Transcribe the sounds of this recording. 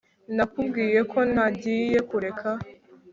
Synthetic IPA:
nakubɡiːje̞kʰo̞nhaɟiːje̞kuɾe̞kʰa

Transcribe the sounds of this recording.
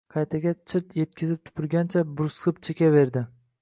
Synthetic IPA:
qʰɑjt̪ʰaɡʲat͡ʃʰɪɾt̪ʰje̞t̪̚kʲʰɪzɪp̚t̪ʰʊ̥pʰɪɾɡʲant͡ʃʰabʊɾsqɨpt͡ʃʰekʲave̞ɾd̪ɪ

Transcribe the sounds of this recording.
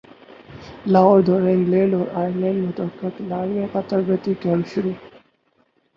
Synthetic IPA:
laːoɾd̪ʱoːɾɪ̃ŋɡlẽːɳɖɔːɾaːjəɾlẽːɳɖmʊt̪əkːɪklaːɽjẽqət̪əɾbət̪ikɛ̃mpɕʊɾuː

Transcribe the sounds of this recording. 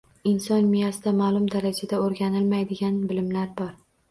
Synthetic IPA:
ɪnsɒnmɪjasɪd̪amaːlˠʊmd̪aɾad͡ʒad̪aoɾɡʲanɪlmajd̪ɪɡʲanbɪlɪmlaɾbɒɾ

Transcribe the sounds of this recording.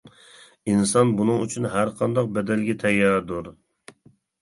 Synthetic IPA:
insɑnbunɨŋyt͡ʃʰynɦæɾqʰɑnd̪ɑq̚bɛd̪ɛlɡʲɛt̪ʰɛjːɑd̪uɾ

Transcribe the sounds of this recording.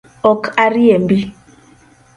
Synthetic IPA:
ɔkaɾiɛmbi

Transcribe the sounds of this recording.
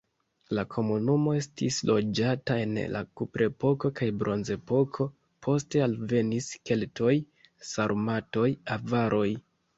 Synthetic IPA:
lakʰo̞munumo̞e̞stḭslʔo̞d͡ʒatae̞nlʔa̰kupɾe̞po̞ko̞kajbɾʔo̞nze̞po̞kʰo̞ | pʰo̞ste̞alve̞niske̞lto̞j | saɾmato̞javaɾʔo̞j

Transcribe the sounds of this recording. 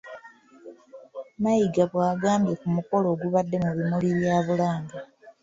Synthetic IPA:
majiɡaβwaːɡaːmbje̞kumuko̞lo̞ːɡuβadːe̞muβimuliβjaːβulaːŋɡa

